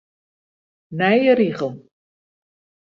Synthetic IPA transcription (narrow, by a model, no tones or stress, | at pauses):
nɛjəɾiχəlˠ